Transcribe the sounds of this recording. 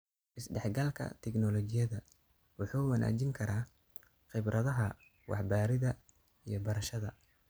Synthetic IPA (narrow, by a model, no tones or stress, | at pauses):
ʔɪsɖɛħɡɐlkʰɐ̰t̪ʰɛknɔlɔt͡ʃɪjɐðɐ | wʊħuːmɐnʔa̰ːt͡ʃɪŋkʰɐɾaː | χɪbɾʔɐðɐɦɐ | wɑ̰ħbaːɾɪðɐ | ijɞbɐɾɐʃɐðɐ